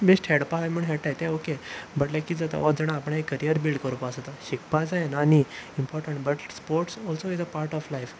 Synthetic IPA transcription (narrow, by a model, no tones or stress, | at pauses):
besʈhɛɽpalam̤ə̃ɳɦɛʈajt̪ɛ̃okebəʈlɛkiːd͡zat̪a̰ɔd͡zɛɽ̃ãːpəɽ̃aekːəɾijəɾbilɖkəɾupasət̪aɕikpad͡zajenaniimpɔɾʈə̃ɳʈbəʈspoɾʈsɔlsoid͡zəpaɾʈɔflajf